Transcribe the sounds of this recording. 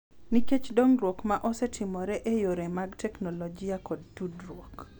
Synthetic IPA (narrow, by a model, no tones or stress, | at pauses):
niket͡ʃdoŋɾwokmaʔɔsɛtʰɪmɔɾɛʔejoɾemaɡtɛknɔlɔd͡ʒiakɔd̚tudɾwok